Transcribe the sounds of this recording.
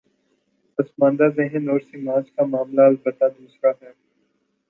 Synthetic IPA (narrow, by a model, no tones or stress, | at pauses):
pɐsmãːnd̪azeɦɪ̃noːɾsimaːt͡ʃkamaːmlaɐlbət̪ad̪uːsɾaɦɛː